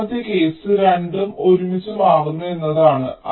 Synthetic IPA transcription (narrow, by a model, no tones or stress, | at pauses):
t̪jɐke̞ːsɨɾeɳɖɐmo̞ɾumit͡ɕːɐmaːɣunːue̞nːɐðaːɳɨɐ̰